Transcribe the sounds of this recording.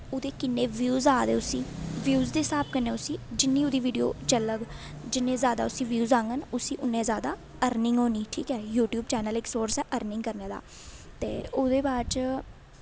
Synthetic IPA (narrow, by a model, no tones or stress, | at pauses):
ʊd̪eːkɪnːeːʋjuːzaːd̪ḛːʊsĩːʋjuːzd̪eːɪsaːb̚kənẽːʊsiːd͡ʒɪnːĩːʊd̪iːʋiːɖijo̰ːt͡ʃələɡ | d͡ʒɪnːẽːzjaːd̪a̰ːʊsĩːʋjuːzãːŋɡənʊsiːʔʊnːẽːzjaːd̪aː | əɾnɪŋɡɦoːniːʈʰiːkɛːjuːʈjuːb̚t͡ʃɛːnəlɪksoːɾsɛːʔəɾnɪŋɡkəɾneːd̪a̰ː | t̪ḛːʊːd̪eːbaːt͡ʃ